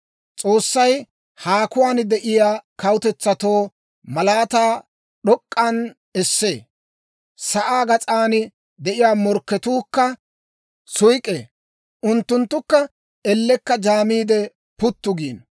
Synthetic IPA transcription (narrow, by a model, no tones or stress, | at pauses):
t͡sʼo̞ːsːɐj | haːkʊwaːnd̪ɛʔɪjaːkɐwʊt̪ɛt͡sːɐt̪o̞ː | mɐlaːt̪aː | ɗɔkʼːɐn | ɛsːeː | sɐʔaːɡɐt͡sʼaːnɪ | d̪ɛʔɪjaːmɔɾkːɛt̪uːkːɐ | sʊjkʼḛː | ʔʊnt̪ːʊnt̪ːʊkːɐ | ɛlːɛkːɐd͡ʒaːmiːd̪ɛ | pʊt̪ːʊɡiːn